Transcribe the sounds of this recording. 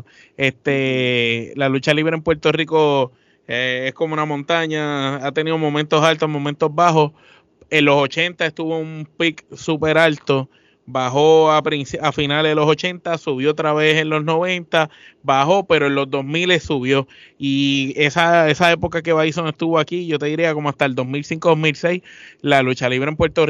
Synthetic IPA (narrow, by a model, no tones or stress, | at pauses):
e̞ht̪e̞ | lalut͡ʃaliβɾempwe̞ɾt̪o̞riko̞ | eehkomounamõ̞nt̪aɲaat̪e̞niðomõ̞ment̪o̞salt̪o̞ɦmõ̞mẽnt̪o̞zbaɦo̞ | e̞nlo̞so̞t͡ʃe̞nt̪aest̪uβo̞umpiksupe̞ɾalt̪o̞ | baɦo̞apɾinsiafinaleðelo̞so̞t͡ʃe̞nt̪asuβjoot̪ɾaβe̞se̞nlo̞zno̞βe̞nt̪abaho̞pe̞ɾoenlo̞zd̪o̞smile̞ssuβjo̞iesaesae̞po̞kak̬e̞βajsonest̪uβoakiʝo̞t̪eðiɾiako̞moaht̪aeld̪o̞smilsiŋkoðoɦmilse̞jslalut͡ʃaliβɾeempwe̞ɾt̪or